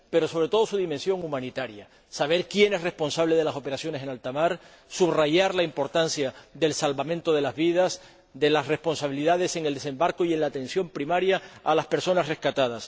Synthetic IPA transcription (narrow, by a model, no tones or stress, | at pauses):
pe̞ɾo̞so̞βɾe̞t̪o̞ðo̞suðimensjo̞ŋumãnit̪aɾja | saβ̞e̞ɾkje̞ne̞sre̞spo̞nsaβle̞ð̞e̞laso̞pe̞ɾasjo̞ne̞se̞nalt̪amaɾ | suβraʝaɾlaimpo̞ɾt̪ansjaðe̞lsalβamẽ̞nt̪o̞ðe̞lazβið̞as | d̪e̞lasre̞spo̞nsaβiliðaðe̞se̞ŋeld̪e̞se̞mbaɾko̞ie̞nlaːt̪ẽ̞nsjo̞mpɾimaɾjaːlaspe̞ɾso̞nasre̞hkat̪að̞as